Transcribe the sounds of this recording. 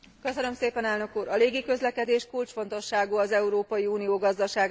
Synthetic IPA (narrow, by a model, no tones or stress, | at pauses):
kø̞sønø̞mseːpɛnɛlnø̞kuːɾɒleːɡikø̞zlɛkɛd̪eːʃkult͡ʃfo̞n̪t̪o̞ʃːaːɡuːɒzɛuɾoːpɒjiuːnijoːɡɒzd̪ɒʃaːɡ